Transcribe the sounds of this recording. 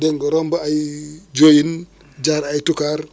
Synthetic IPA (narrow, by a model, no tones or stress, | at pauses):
deŋɡoɾombaajd͡ʒojin | d͡ʒaɾajtukaɾ